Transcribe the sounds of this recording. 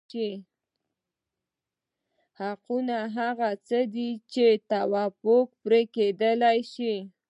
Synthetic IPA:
i | haqunaɦaɣat͡səd̪it͡ʃet̪awɑpok̚pɾeked̪əlajʃi

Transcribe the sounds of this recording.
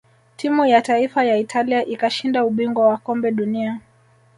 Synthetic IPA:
tʰimujataifajaitʰaliaʔikaʃindauɓiŋɡwawakɔmbɛɗunia

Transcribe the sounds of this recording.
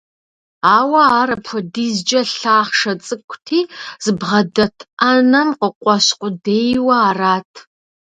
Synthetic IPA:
aːwɐaːɾɐpʰʷɐdiːzd͡ʒɐɬaːχʂɐt͡sʼɨkʷʰʼtʰiːz̥ɨbʁɐdɐtʰanɐmqəqʷʼɔɕqʷʊdeːjwɐaːraːtʰ

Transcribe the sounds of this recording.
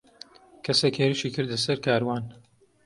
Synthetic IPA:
kʰɐseːkheːɾɨʃikɨɾd̪lɐsɐɾkʰaːɾwaːn

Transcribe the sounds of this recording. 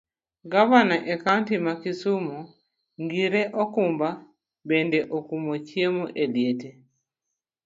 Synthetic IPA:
ɡavanaʔekantimakisumo | ŋɡiɾeʔɔkumba | bɛndɛʔokumot͡ʃjemoʔeljete

